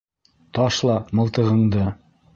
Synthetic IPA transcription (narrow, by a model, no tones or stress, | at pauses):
t̪ɑʃlˠɑmɤ̆lˠt̪ɤ̆ʁɤ̆ɴd̪ɤ